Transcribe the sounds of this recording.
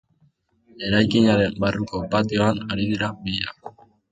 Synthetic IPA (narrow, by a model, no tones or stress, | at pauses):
e̞ɾajkiɲaɾe̞mbaruko̞pat̪io̞anaɾiðiɾabiʎa